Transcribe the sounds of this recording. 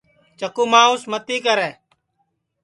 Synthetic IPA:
t͡ʃəkuːmãːʊsmət̪iːkəɾɛː

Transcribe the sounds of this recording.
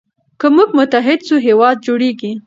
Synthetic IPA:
kəmuɡmʊt̪aɦɪd̪suɦewɑd̪̚d͡ʒoɽeɡi

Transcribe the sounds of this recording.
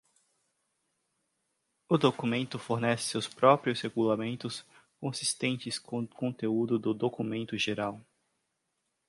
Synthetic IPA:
ʊd̪okumẽnt̪ʊfoɾnɛsɪ̥sewspɾɔpɾiʊsheɡulamẽnt̪ʊskõsi̥st̪ẽnt͡ʃɪskõkõnt̪eud̪ʊd̪ʊd̪okumẽnt̪ʊʒeɾaw

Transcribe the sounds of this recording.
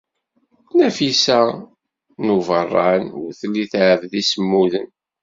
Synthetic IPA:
næfisæ | nuvərˤːɑnʊɾθəlːiθʕəvðisəmːuðən

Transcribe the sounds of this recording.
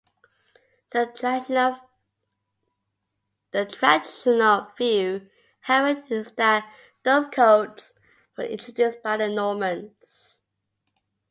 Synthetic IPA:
ðətʰɹædɪʃənəlˠvjʉ | hɛvətɨstə | d̥ɔb̚kʰoʊts | wəɪ̰̃ntʰɹ̥ədjʉsb̥aɪðənɔmə̃ns

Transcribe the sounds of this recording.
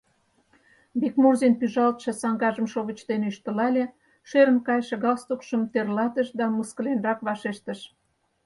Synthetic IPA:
bikmurzinpyʒɑlt̪ʃɤ̆sɑŋɡɑʒəmʃoβə̆t͡ɕt̪eneyʃt̪ə̆lɑlʲe | ʃeɾə̆nkɑjʃĕɣɑlst̪okʃəmt̪erlɑt̪əʃd̪ɑməskə̆lenrɑkβɑʃeʃt̪ə̆ʃ

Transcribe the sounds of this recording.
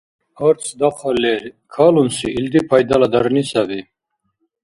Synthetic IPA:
ɔɾt̪t͡sʰd̪aχʰalɛɾkʰalunsiːld̪ipʰajd̪alad̪aɾnisabi

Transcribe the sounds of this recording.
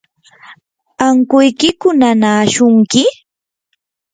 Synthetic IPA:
aŋkʊjkɪkʊnanaːʃʊŋkɪ

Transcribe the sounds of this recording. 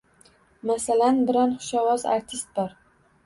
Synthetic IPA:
masalanbɪɾɒnχʊ̥ʃɒwɒza̰ɾt̪ʰɪst̪̚bɒɾ

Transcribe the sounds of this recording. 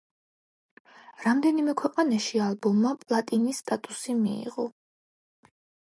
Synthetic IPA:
ɾamd̪ɛnimɛkʰwɛqʼanaʃialˠbɔmːapʼlˠat̪ʼinist̪ʼat̪ʼusimḭḭʁɔ

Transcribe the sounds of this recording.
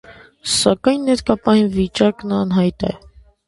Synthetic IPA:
sɑkɑjnːɛɾkɑpɑjinvit͡ʃɑknɑnɦɑjt̪ɛ

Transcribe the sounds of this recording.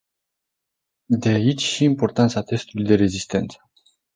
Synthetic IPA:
d̪e̞ait͡ʃʲʃiːmpo̞rt̪ant̪sat̪e̞st̪ulujd̪e̞ɾe̞zist̪e̞̰nt̪sə̥

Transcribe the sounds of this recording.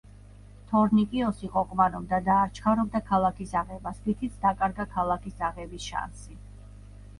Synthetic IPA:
t̪ʰɔɾnikʼiɔsiqʼɔqʼmanɔbd̪ad̪aːɾt͡ʃʰχʰaɾɔb̚d̪akʰalˠakʰisaʁɛbasvit̪ʰit̪sʰd̪akʼaɾɡakʰalˠakʰisaʁɛbisʃa̰nsi

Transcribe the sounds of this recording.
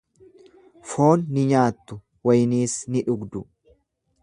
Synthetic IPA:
fo̞ːnːɪɲaːt̪ːʊ | wɐjniːsnɪᶑʊɡd̪ʊ

